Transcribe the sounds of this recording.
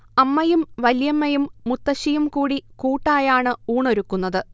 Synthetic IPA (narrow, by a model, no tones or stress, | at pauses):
ɐmːɐjumʋɐljɐmːɐjumːut̪ːɐɕijumkuːɽikuːʈːaːjaːɳɨuːɳo̞ɾukːunːɐðɨ